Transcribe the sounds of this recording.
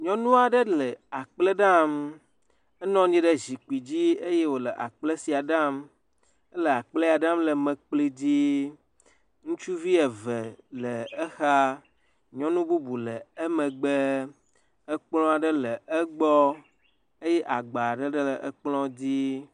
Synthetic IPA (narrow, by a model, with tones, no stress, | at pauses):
ɲɔ̃˦nũ˦a˨ɖə˦lə˨a˨k͡plə˦ɖa˦m | ə˦nɔ̃˦ɲĩ˦ɖə˦zi˨ku˨i˨d͡ʑi˦e˦je˦wo˨lə˨ʔa̰˨k͡ple˦si˨a˨ɖã˦m | ə˦lə˨a˨k͡ple˦a˨ɖã˦mlə˨mə̃˨k͡pli˦d͡ʑi˦ | ŋũ˦t͡ʃu˦vi˦ɛ˨və˨lə˨ə˦xa˦ | ɲɔ̃˦nũ˦bu˦bu˨lə˨ə˦mə̃˨ɡ͡bə˦ | ə˦k͡plɔ̃˦a˨ɖə˦lə˨ə˦ɡ͡bɔ˦ | e˦je˦ʔa˨ɡ͡ba˨ɖə˦ɖə˦lə˨ʔə˦k͡plɔ̃˦d͡ʑi˦